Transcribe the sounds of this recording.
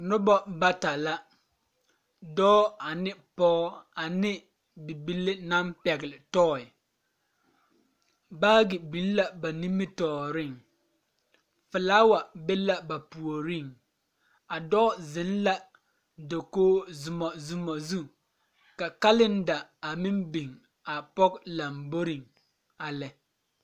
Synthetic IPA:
nʊ˦bɔ˦ba˦ta˨la˦ | dɔː˦a˨nɪ˦pɔː˦a˨nɪ˦ | bi˨bi˨lɪ˦na˦mpɛ˨ɡɪ˨lɪ˨tɔː˦˨ɪ˨ | baː˦ɡɪ˨bi˨lla˦ba˨ni˦mɪ˦tɔː˨ɾɪ˦˨ŋ | fɪ˨laː˦wa˨bɪ˦la˦ba˨pu˨o˨ɾi˦˨ŋ | a˨dɔ˦zɪ˨˦n˦la˦ | do˨koː˦zʊ˨mɔ˨zʊ˨mɔ˨zu˦ | ka˨ka˦lɪ˦nda˨a˨mɪ˦mbi˨ŋ | a˨pɔ˦kla˨mbo˦ɾi˦˨ŋ | a˨lɛ˨

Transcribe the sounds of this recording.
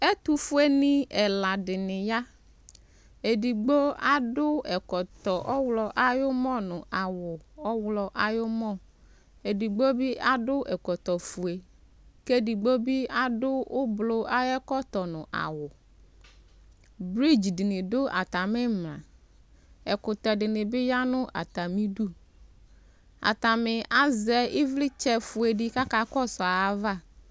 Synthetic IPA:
e˦t̪u˦fu˦e˦nɪ̃˦ɛ˨la˨dɪ˨nɪ̃˨ja˦ | e˨di˨ɡ͡bo˦a˦dʊ˦ɛ˨kɔ˨t̪ɔ˨ʔɔ˦wlɔ˨ʔa˦jʊ˦mɔ̃˦nʊ̃˨ʔa˨wʊ˨ɔ˦wlɔ˨ʔa˨jo˦mɔ̃˦˨ | e˨di˨ɡ͡bo˦bi˦ʔa˦ɖʊ˦ʔɛ˨kɔ˨t̪ɔ˨fu˨e˨ | ke˦di˨ɡ͡bo˦bi˦a˨dʊ˦ʊ˦blʊ˦a˦jɛ˦kɔ˦t̪ɔ˨nʊ̃˨ʔa̰˨wʊ˨ | bɾi˦d͡ʒdɪ˨nɪ̃˨dʊ˦a̰˨ta˨mɪ˦mla̰˨ | ɛ˨kʊ˨t̪ɔ˨dɪ˨nɪ˨bɪ˦ja˦nʊ̃˦ʔa̰˨ta˨mi˦du˦ | a̰˨ta˨mɪ˨a˦zɛ˨ɪ˦vlɪ˦t͡ʃɛ˨fʊ˨e˨dɪ˨ka˦ka˨kɔ˦sɔ˨a˨a˦va˦˨

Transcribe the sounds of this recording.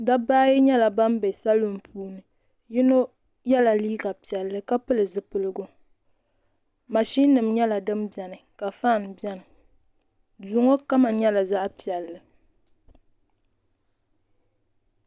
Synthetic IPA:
da˦ba˦ji˦ɲɛ˦la˨ba˦mbe˨sa˦lu˦m˦pʰuː˦nɨ˨ | ji˦no˦ | jɛ˦la˨liː˦ɡa˨pi˨ɛ˨lːɨ˦ka˦pɨ˦lɨ˨zɨ˨pɨ˦lɨ˦ɡo˦ | ma˨ʃi˦nɨ˨mɲɛ˦la˨dɨ˦mbjɛ˨nɨ˨ka˨faː˦˨n˨bɛ˦nɨ˨ | duː˨˦ŋo˦ka˦ma˨ɲɛ˦la˨za˦ʔpi˨ɛ˨lːɨ˨

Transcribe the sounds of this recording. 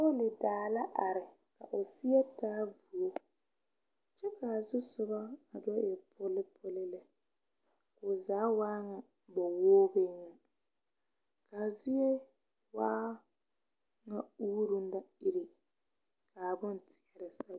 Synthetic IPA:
o˦lɪ˨daː˨la˦ʔa˨ɾɪ˨ | ka˨ʔʊ˨sɪ˦ɛ˦taː˦vu˨o˦ | t͡ʃɛ˦ka˨sʊ˦sʊ˦baː˦˨dɔ˦ʔɛ˨pʰʊ˦lɪ˦pʰo˦lɪ˦lɪ˦ | kʊ˨zaː˨˦waː˦ŋa˨ | bɔ˨woː˦be˦ɲa˨ | ka˨zɪ˦ɛ˦ | waː˦ | ŋa˦uː˦ɾu˦n̩˦da˦ɪ˦ɾi˨ | kaː˨bʊ˦n˦tʰɪ˨ɛ˨ɾɛ˨sa˦

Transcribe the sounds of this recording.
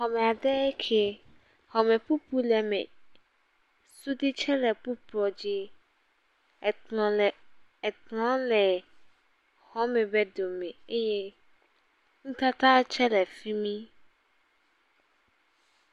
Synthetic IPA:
hɔ˨mɛ˨a˨ɖɛ˦kʰe˨ | hɔ˨mɛ̃˨pu˦pu˦lɛ˨mḛ̃˨ | su˦di˦t͡ʃʰɛ˦lɛ˨pu˦pɔ˨d͡ʑi˦˨ | tlɔ̃˨˦lɛ˨ | hɔ˨˦mɛ̃˨bɛ˦do˨mẽ˨e˦je˦ | ŋũ˦t̪a˦t̪a˦t͡ʃʰɛ˦lɛ˨fi˦mĩ˦

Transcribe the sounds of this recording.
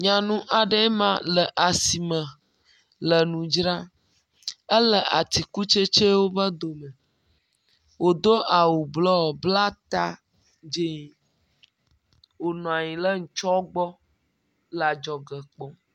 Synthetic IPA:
ɲã˨nũ˦ʔa˨ɖə˦mã̰˦lə˨ʔa˨si˨mə̃˨ | lə˨nũ˨d͡ʒɾã˦ | ə˦lə˨ʔa˨t̪i˨ku˦t͡ʃe˦t͡ʃe˦wo˦bə˦d̪o˨mɛ̃˨ | wo˨d̪o˦ʔa˨wu˨blɔ˦˨bla˦t̪a˦ | d͡ʒe˦ɲi˨ | wo˨nɔ̃˨a˨ɲĩ˨lə˦ŋ̩˨t͡ʃɔ˦ɡ͡bɔ˦ | la˨d͡ʒɔ˨ɡə˨k͡pɔ˦

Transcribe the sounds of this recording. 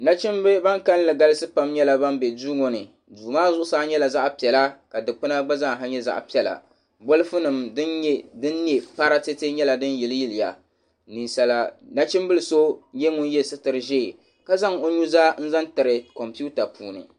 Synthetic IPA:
na˦t͡ʃɪ˦mbɨ˦ba˦ŋka˦llɨ˨ɡa˦lɨ˦sɨ˦pa˦mɲɛ˦la˨ba˦mbɛ˨duː˦ŋo˨nɨ˨ | duː˨maː˦zʊ˦ʔʊ˦saː˦ɲɛ˦la˨za˦ʔpi˨ɛ˨la˦ka˨dɨ˨k͡pɨ˦na˦ɡ͡ba˦za˦ŋ˨ɦa˦ɲɛ˦za̰˦ʔpi˨˦ɛ˨la̰˨ | bʊ˦lɨ˦fɨ˦nɨ˨mdɨ˦nɛ˦dɨ˦nːi˦ɛ˨pa˦ɾa˦tɨ˦te˦ɲɛ˦la˨dɨ˦nji˨lɨ˦ji˦lɨ˨ja̰˨ | ni˨sa˨la˨na˦t͡ʃɪ˦m˦bɨ˦lɨ˨so˦ɲɛ˦ŋʊ˦n˦jɛ˦sɨ˦tɨ˨ɾɨ˨ʒeː˦˨ | ka˦za˦ŋo˦ɲu˦zaː˦n̩˦za˦ntɨ˨ɾɨ˨kɔ˨mpi˦u˦ta˨pṵː˨nɨ̰˨

